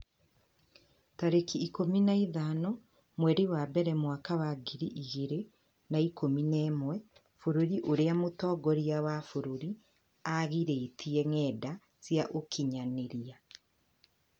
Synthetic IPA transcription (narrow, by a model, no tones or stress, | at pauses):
taɾekiːkominaiðanɔ | mwɛɾiwabɛɾɛmwakawaɡiɾiʔiɣeɾe | naikominɛːmwɛ | foɾoɾiʔoɾeamotɔːɡɔɾiawafoɾoɾi | aɣiɾeitʰiɛŋɛda | sjaʔokʰiɲaneɾia